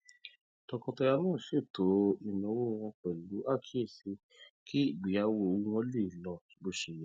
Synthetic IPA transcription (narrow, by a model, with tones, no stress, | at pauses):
tɔ˧kɔ̃˧tɔ˧ja˧nãː˦˨ʃe˦˨to˨˦i˧nã˧˦wo˦˧wɔ̃˧k͡pɛ˨lu˨˦a˦˨kʰi˦e˦˨se˧˦ | ki˦i˦˨ɡ͡bi˨ja˦wo˧õ˧˦ɔ̃˧˦li˦i˨lɔ̃˨bo˦ʃe˨jɛ˦